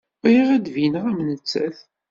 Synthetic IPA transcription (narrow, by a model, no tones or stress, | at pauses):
jiʁæd̪vinʁæmnət͡sːæ̰θ